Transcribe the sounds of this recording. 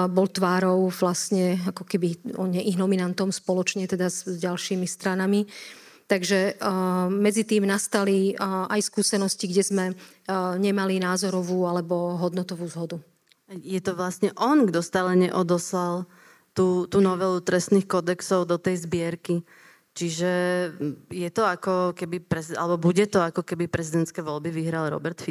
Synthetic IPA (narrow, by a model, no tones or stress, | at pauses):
bɔlt̪ʋaːɾɔʊʋlasɲɛakɔkɛbiɔɲɛʔiɦnɔminant̪ɔmspɔlɔt͡ʃɲɛt̪ɛd̪azɟalʃiːmist̪ɾanami | t̪aɡʒɛ | mɛd͡zit̪iːmnast̪aliajskuːsɛnɔsciɡɟɛzmɛ | ɲɛmalinaːzɔɾɔʋuːalɛbɔɦɔd̪nɔt̪ɔʋuːzɦɔd̪u | jɛt̪ɔʋlast̪ɲɛʔɔnɡd̪ɔst̪aːlɛɲɛʔɔd̪ɔslal | t̪uːt̪uːnɔʋɛlut̪ɾɛst̪nixkɔd̪ɛksɔʊd̪ɔt̪ɛjzbɪɛɾki | t͡ʃiʒɛ | jɛt̪ɔakɔkɛbipɾɛia̰lɛbɔbuɟɛt̪ɔakɔkɛbipɾɛzid̪ɛnt̪skɛjʋɔlbiʋiɦɾalɾɔ̰bɛɾt̪fi